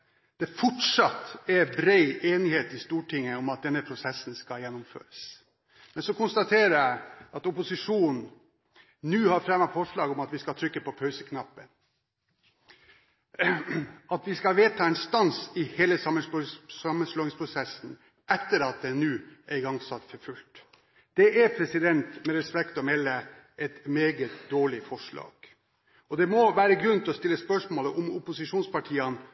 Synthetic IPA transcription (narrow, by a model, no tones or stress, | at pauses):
d̪̥ɛfɔʈʂɑt̪ːɛɾbɾeɪʔeːnɪheːt̪ɪst̪uːʈɪŋːəɔmɑt̪̚d̪ɛnːəpʰɾʊsɛsn̩skɑljɛnːʊmfø̰ːɾəs | mɛnsɔkʊnst̪ɑt̪ʰeːɾəjæɪɑt̪ɔpʊsɪʂuːnn̩ | nʉːhɑɾfɾɛmɑfɔʂɭɑːɡɔmɑt̪ʋɪskɑt̪ʰɾʏkːəpʰɔpʰœʉsəkʰnɑpːən | ɑt̪ʋɪskɑʋeːt̪ʰɑːɛnst̪ɑnsɪheːləsɑmːənɑmːənsloːɪŋspʰɾʊsɛsn̩ | ʔɛt̪ːəɾɑt̪̚d̪ɛnʉːæɪɡɑŋsɑt̪ːfɔɾfʉlt̪ | d̪̥ɛʔæɾpʰɾɛsɪd̪ɛnt̪mɛɾɛspɛkt̪ɔmɛlːə | ɛt̪meːɡət̪d̪oːɭɪfɔʂɭɑ̰ːɡ̥ | ɔd̪ɛmɔʋæːɾəɡɾʉnt̪ɪlɔst̪ɪlːəspœʂmoːləʔʊmʊpʊsɪʂuːnspɑʈʰiːɑn